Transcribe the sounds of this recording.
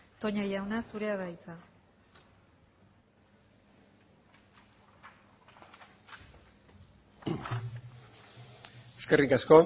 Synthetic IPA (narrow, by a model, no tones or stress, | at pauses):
t̪o̞ɲajawnasuɾe̞aðajt͡sa | eske̞rikasko̞